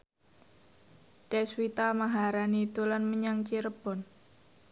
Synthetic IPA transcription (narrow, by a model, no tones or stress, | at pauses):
tɛswit̪amaɦaɾaniːt̪ulanməɲaŋt͡ʃiɾəb̥ɔ̤n